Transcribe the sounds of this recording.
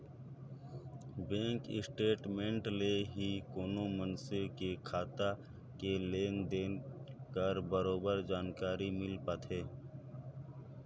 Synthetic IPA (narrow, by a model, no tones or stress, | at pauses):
bẽːŋkɪ̰sʈeːʈmẽɳʈleɦikoːnomənsɪkekʰaːt̪a | keleːnd̪eːnkəɾbəɾoːbəɾd͡ʒaːnkaːɾimɪlpat̪ʰeː